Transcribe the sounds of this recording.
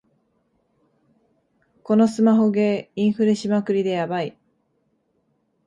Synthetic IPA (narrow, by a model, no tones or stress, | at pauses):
ko̞no̞sɨmaɦo̞ɡe̞ĩɰ̃ɸɯ̟ɾeɕimakɯ̟ɾʲid̪e̞jabai